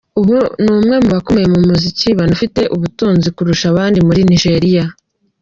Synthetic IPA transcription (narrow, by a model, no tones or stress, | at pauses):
uβunumŋe̞muβako̞me̞jemumuziciβanufite̞ʔuβutuːnzikuɾuʃaβaːndimuɾiniʒe̞ɾija